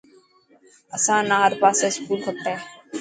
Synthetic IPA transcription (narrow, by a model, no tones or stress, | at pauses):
əsãːnãːɦəɾpaːseːskuːlkʰəp̚ʈ̪aɦɛː